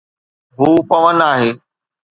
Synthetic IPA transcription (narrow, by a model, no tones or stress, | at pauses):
ɦuːpɐʋənaːɦeː